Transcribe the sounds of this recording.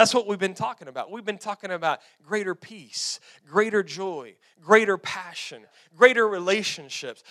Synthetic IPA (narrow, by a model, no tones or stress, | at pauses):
ætswʌt̚wivbɨ̃ntʰɔkɪ̃ŋəbaʊt̚wivbɨ̃ntʰɔkɪ̃ŋɨbaʊt̚ | ɡ̥ɹeɪɾə˞pʰis | ɡ̥ɹeɪɾə˞d͡ʒɔɪ | ɡɹeɪɾə˞pʰæʃɨ̰̃n | ɡ̥ɹeɪɾə˞ɹileɪʃɨ̃nʃɪps